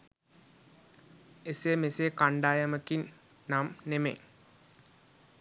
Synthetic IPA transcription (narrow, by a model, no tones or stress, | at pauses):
esemeseːkaɳɖaːjɐməkin | naːmnemḛn